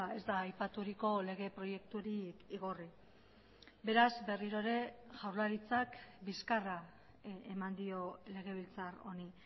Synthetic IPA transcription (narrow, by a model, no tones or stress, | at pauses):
e̞zd̪aːjpat̪uɾiko̞le̞ɣ̞e̞pɾo̞je̞kt̪uɾikiɣ̞o̞ri | be̞ɾazbe̞riɾo̞eɾe̞ʝawɾlaɾit͡sakbiskara | emand̪io̞le̞ɣ̞e̞β̞ilt͡saro̞ni